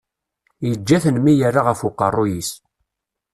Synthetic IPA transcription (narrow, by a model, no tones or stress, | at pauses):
jəd͡ʒːæθənmijərːaʁəfʊqːə̰rˤːʊjis